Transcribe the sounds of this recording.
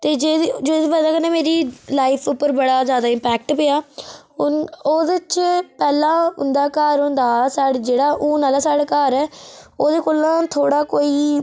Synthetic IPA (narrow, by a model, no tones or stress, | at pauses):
t̪eːd͡ʒeːd͡ʒoːɪdʋəd̪aːkəneːmeːɾiːlaːɪpʰʊpːəɾbəɽaːzjaːd̪aːɪ̃mpɛːk̚ʈpeːaːʊnoːd̪ɪt͡ʃpɛːlãːɦʊ̰̃nd̪aːkaːɾɦʊ̃nd̪aːsaːɽd͡ʒeːɽaːʔũːnaːlaːsaːɽaːkaːɾɛːoːd̪eːkoːlãːt̪ʰoːɽaːkoːiː